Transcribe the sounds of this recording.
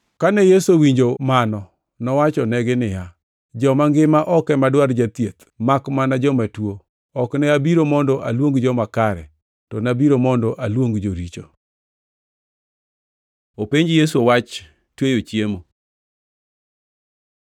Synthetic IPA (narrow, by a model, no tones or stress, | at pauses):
kanɛjesowiɲd͡ʒomanɔ | nɔwat͡ʃɔnɛɡɪnɪja | d͡ʒɔmaŋɡɪmaʔɔkɛmadwaɾd͡ʒat̪jet̪ | makmanad͡ʒɔmatwo | ɔknɛabiɾomɔndɔʔa̰lwoŋɡd͡ʒɔmakaɾɛ̰ | tɔnabiɾomɔndɔʔalwoŋɡd͡ʒoɾit͡ʃo̰ | opeɲd͡ʒjes̬uowat͡ʃ | twejot͡ʃjemo